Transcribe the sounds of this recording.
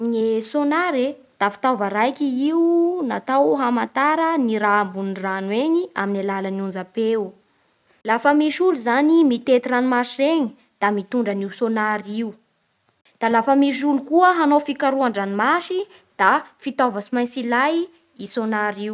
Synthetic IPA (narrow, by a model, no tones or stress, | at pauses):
nesonaɾed̪̥afi̥t̪avəɾajkiiunat̪awɦamant̪aɾəniɾambunranweɲia̰minalalanund͡zape | lafəmiʃuluzanimit̪et̪iranimaʃireɲi | d̪̥amit̪uɳɖ͡ʐəniusonaɾiu | d̪̥alafəmiʃ̬ulukuəɦanofikaɾuaɳɖ͡ʐanimaʃi | d̪̥afit̪ovəsimajsilaj | isonaɾiw